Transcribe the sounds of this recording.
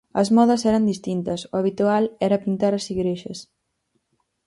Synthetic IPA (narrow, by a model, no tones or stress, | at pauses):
ɐzmɔðɐsɛɾɐnd̪ist̪int̪ɐsʊaβ̞it̪ualɛɾɐpint̪aɾɐsiɣɾeʃɐ̰s